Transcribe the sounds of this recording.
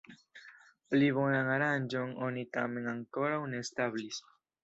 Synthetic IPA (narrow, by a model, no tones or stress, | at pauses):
pliβo̞naŋaɾand͡ʒoŋonit̪ame̞ŋaŋko̞ɾawnest̪aβlis